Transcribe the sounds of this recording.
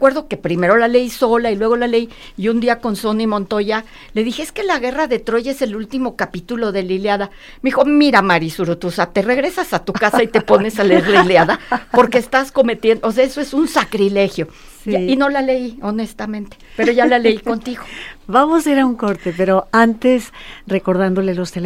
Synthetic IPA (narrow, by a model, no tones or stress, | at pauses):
kwe̞ɾðo̞ke̞pɾime̞ɾo̞lale̞jso̞lailwe̞ɣo̞lale̞j | iund̪iako̞nso̞nimõ̞nt̪o̞ʝa | le̞ðixeeske̞laɣe̞raðe̞t̪ɾo̞ʝaese̞lult̪imo̞kapit̪ulo̞ðe̞liljaða | meixo̞miɾamaɾisuɾut̪usat̪e̞re̞ɣɾe̞sasat̪ukasait̪e̞po̞ne̞saleeɾlaiiljaðapo̞ɾkeːst̪asko̞me̞t̪je̞nd̪os̬eaesoesunsakɾile̞xjo̞ | aino̞lale̞io̞ne̞st̪amẽnt̪epe̞ɾo̞ʝalale̞iko̞nt̪iɣo̞bamoseɾauŋkoɾt̪epe̞ɾoant̪e̞sre̞ko̞ɾðand̪o̞lelost̪el